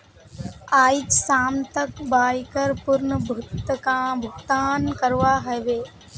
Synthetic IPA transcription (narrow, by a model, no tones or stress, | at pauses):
aːit͡ʃsaːmt̪əkbaːjkəɾpʊɾnəbʱʊt̪kãːbʱʊɡt̪aːnkəɾʋaːɦəʋeː